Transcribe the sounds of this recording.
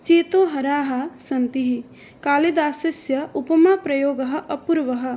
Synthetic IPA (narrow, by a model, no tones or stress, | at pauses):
t͡ʃeːt̪oːɦɐɾaːɦɐ̆sɐnt̪iɦi | kaːlid̪aːsɐsjɐupɐmaːpɾɐjoːɡɐɦɐ̆ʔɐpuɾʋɐɦɐ̆